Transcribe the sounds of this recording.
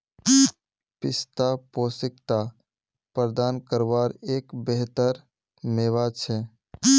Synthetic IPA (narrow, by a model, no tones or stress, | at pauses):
pɪst̪aposɪkt̪a | pɾəd̪ankəɾbaɾeːkbeɦt̪əɾ | meːʋat͡ʃʰɛ